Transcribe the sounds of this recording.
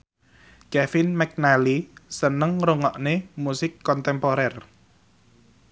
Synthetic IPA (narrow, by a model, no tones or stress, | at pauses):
kɛfinmɛk̚nalisənəŋroŋɔʔnɪhmusɪkːɔnt̪ɛmpoɾɛr